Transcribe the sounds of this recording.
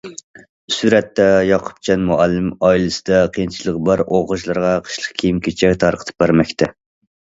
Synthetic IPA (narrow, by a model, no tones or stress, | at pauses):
syɾɛt̪ːɛjɑqʰʊ̥p̚t͡ʃʰɛnmuælːɨmɑilˠɨsɨd̪ɑqʰijint͡ʃʰilˠəʁbɑɾʔoʁəʃlˠɨɾʁɑqʰə̥ʃlˠəqkʲʰijimkʲʰet͡ʃʰɛkʲt̪ʰɑɾqʰə̥t̪ʰɨ̥p̚bæɾmɛkʲt̪ʰɛ